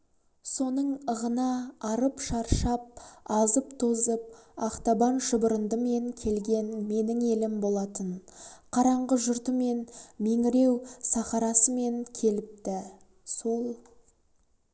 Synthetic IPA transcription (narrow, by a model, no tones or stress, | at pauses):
so̞nəɴəʁənɑːɾəpʃɑɾʃɑp̚ɑzəpt̪ʰo̞zəp̚ɑqt̪ɑbɑnʃəbəɾənd̪əme̞ŋkʲʰe̞lɡʲe̞nme̞nɪŋe̞lɪmbo̞lˠɑt̪ənqʰɑɾɑɴʁəʒʊɾt̪əme̞nme̞ŋɪɾe̞wsɑχɑɾɑsəme̞ŋkʲʰe̞lɪp̚t̪ɪ | so̞lˠ